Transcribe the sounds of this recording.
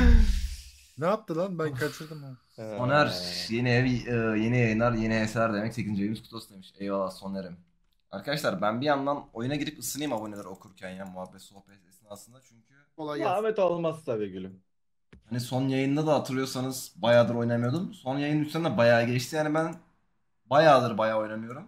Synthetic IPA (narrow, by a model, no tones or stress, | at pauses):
naap̚t̪ɯlˠaɾbænkʰat͡ʃʰɯɾd̪ɯma | sonæɾjeniɛvɯːjenijajɯnˠaɾje̞niɦɛslæɾd̪emɛct̪ʰecʰʲind͡ʒejimiskʰu̥t̪osd̪emiʃɛjvalˠaso̞neɾim | a̰ɾkʰad̪aʃlˠaɾbænbijand̪ano̞junaɟiɾipɯsɯnˠɯjɯmabo̞nelʲɛɾo̞kʰuɾcʰænjanmuɦabːɛt̪so̞hpʰɛt̪esinasɯnd̪at͡ʃʰyɲcʰy | olˠajamɛt̪alˠmast̪aveɟylʲim | haniso̞njajɯnd̪ad̪aɦat̪ʰɯɾlˠjo̞ɾsanɯz̥bajaːd̪ɯɾo̞jnamɯjo̞d̪umso̞njajɯnyst̪ʰænd̪ɛbajaːɟɛt͡ʃt̪ʰijaːnibæn | bajaːd̪ɯɾbajaːo̞jnamɯjo̞ɾum